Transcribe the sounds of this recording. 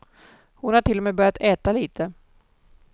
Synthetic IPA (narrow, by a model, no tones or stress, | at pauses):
hʊnhaʈʰɪlːɔmɛːbœɾjat̪ʰɛːt̪aliːt̪ʰə